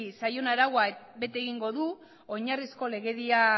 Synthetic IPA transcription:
isajo̞naɾaɣwabe̞t̪e̞ɣ̞iŋɡo̞ðu | o̞ɲarisko̞le̞ɣe̞ðia

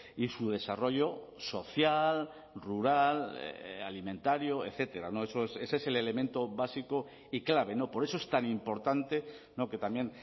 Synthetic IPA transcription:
isuð̞e̞saro̞ʝo̞ | so̞θjal | ruɾal̰alimẽ̞nt̪aɾjo̞e̞θe̞t̪e̞ɾano̞e̞so̞ese̞seese̞le̞le̞mẽ̞nt̪o̞βasiko̞ | iklaβ̞e̞no̞po̞ɾe̞so̞e̞st̪animpo̞ɾt̪ant̪e̞ | no̞ke̞t̪amje̞n

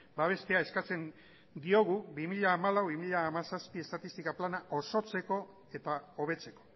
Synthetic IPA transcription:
baβe̞st̪e̞aeskat͡se̞n | d̪io̞ɣ̞uβimiʎaːmalawβimiʎaːmasaspie̞st̪at̪ist̪ikaplanaʔo̞so̞t͡se̞ko̞ | e̞t̪ao̞β̞e̞t͡se̞ko̞̥

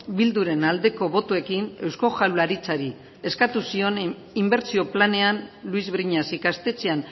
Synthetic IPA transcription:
bild̪uɾe̞nald̪e̞ko̞βo̞t̪ue̞kine̞wsko̞ʝawlaɾit͡saɾi | e̞skat̪usio̞n | imbe̞ɾt͡sio̞plane̞anluizβɾiɲasikast̪e̞t͡sean

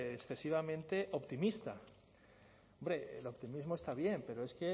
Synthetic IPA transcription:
esθe̞siβamẽ̞nt̪e̞ʔo̞pt̪imist̪a | ombɾe̞ḛlo̞pt̪imizmo̞est̪aβ̞je̞mpe̞ɾo̞e̞ske̞

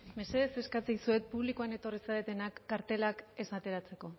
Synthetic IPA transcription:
me̞se̞ðe̞se̞skat͡sisue̞t̪̚puβlikuane̞t̪o̞risaðet̪e̞nakːaɾt̪e̞lake̞sat̪e̞ɾat͡se̞ko̞

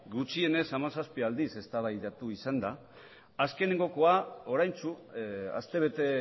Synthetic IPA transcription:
ɡut͡ʃie̞ne̞samasaspiald̪ise̞st̪aβajðat̪uisand̪a | aske̞neŋɡo̞ko̞ao̞ɾajnt͡ʃua̰st̪eβ̞e̞t̪e̞

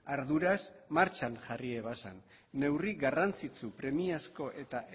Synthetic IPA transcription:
aɾðuɾasmaɾt͡ʃanʝarieβasa̰nː | e̞wriɣarant͡sit͡supɾe̞miasko̞ʔe̞t̪aʔ

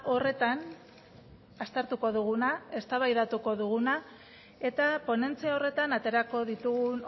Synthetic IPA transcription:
ʔo̞re̞t̪an | ast̪eɾt̪uko̞ð̞uɣ̞unae̞st̪aβajðat̪uko̞ðuɣuna | e̞t̪apo̞ne̞nt͡siao̞re̞t̪anat̪e̞ɾako̞ðit̪uɣun

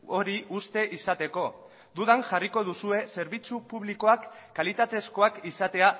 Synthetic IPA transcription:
o̞ɾiʔust̪e̞ʔisat̪e̞ko̞ | d̪uðaŋʝariko̞ð̞usue̞se̞ɾβit͡supuβ̞liko̞akːalit̪at̪e̞sko̞akisat̪e̞a

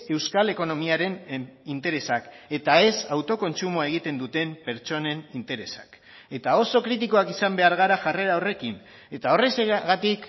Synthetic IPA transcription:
e̞wskale̞ko̞no̞miaɾe̞nint̪e̞ɾe̞sake̞t̪ae̞sawt̪o̞ko̞nt͡sumoae̞ɣ̞it̪e̞nd̪ut̪e̞mpe̞ɾt͡ʃo̞ne̞nint̪e̞ɾe̞sḁk | e̞t̪ao̞so̞kɾit̪iko̞akisambe̞aɾɣaɾaʝare̞ɾaore̞kin | e̞t̪ao̞re̞seɣat̪ik

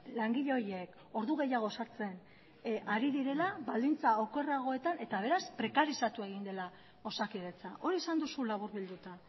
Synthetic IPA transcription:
laŋɡiʎeo̞jek | o̞ɾðuɣ̞e̞jaɣ̞o̞saɾt͡se̞n | aɾiðiɾe̞laβald̪int͡saoke̞raɣ̞o̞e̞t̪ane̞t̪aβ̞e̞ɾaspɾe̞kaɾisat̪ue̞ɣ̞ind̪e̞la | o̞sakiðet͡saʔo̞ɾiesand̪usulaβ̞uɾβild̪ut̪a

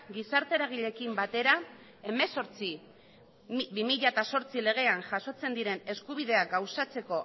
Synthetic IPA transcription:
ɡisaɾt̪e̞ɾaɣ̞iʎe̞kimbat̪e̞ɾa | e̞me̞so̞ɾt͡si | bimiʎat̪aso̞ɾt͡sile̞ɣ̞e̞anʝaso̞t͡se̞nd̪iɾe̞ne̞skuβ̞iðe̞aɡawsat͡se̞ko̞

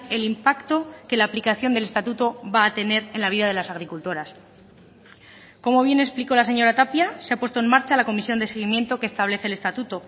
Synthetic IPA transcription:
e̞limpakt̪o̞ke̞laːplikaθjo̞nd̪e̞le̞st̪at̪ut̪o̞βaːt̪e̞ne̞ɾe̞nlaβiðaðe̞lasaɣ̞ɾikult̪o̞ɾas | ko̞mo̞β̞je̞ne̞spliko̞las̬e̞ɲo̞ɾat̪apjaseapwe̞st̪oe̞nmaɾt͡ʃalako̞misjo̞nd̪e̞se̞ɣ̞imje̞nt̪o̞ke̞ːst̪aβle̞θe̞le̞st̪at̪ut̪o̞

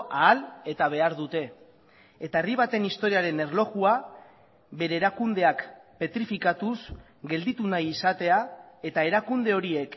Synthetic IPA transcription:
aːle̞t̪aβ̞e̞aɾðut̪e̞ | et̪aeriβ̞at̪e̞nist̪o̞ɾiaɾe̞ne̞rlo̞ɣua | βe̞ɾe̞ːɾakund̪e̞akpe̞t̪ɾifikat̪us | ɡe̞ld̪it̪unajisat̪e̞a | e̞t̪ae̞ɾakund̪e̞o̞ɾie̞k

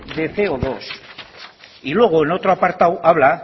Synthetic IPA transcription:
d̪e̞θe̞oðo̞s | ilwe̞ɣ̞oeno̞t̪ɾoapaɾt̪awaβ̞la

